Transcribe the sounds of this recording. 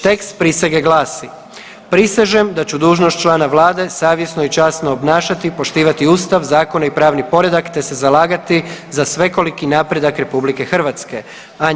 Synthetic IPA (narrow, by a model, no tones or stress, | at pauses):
t̪e̞kst̪̚pɾisʋeɡeɡlaːsi | pɾiseʒemd̪at͡ɕud̪uːʒnost̪t͡ʃlaːnaʋlˠaːd̪e̞saːʋje̞sno̞it͡ʃaːsno̞ːbnaːʃat̪ipo̞ʃt̪iːʋat̪iuːst̪aʋzaːko̞naipɾaːʋnipo̞ɾe̞d̪akt̪e̞se̞zalaːɡat̪izasʋeko̞likinaːpɾe̞d̪akɾe̞publike̞xr̩ʋat̪ske̞ | a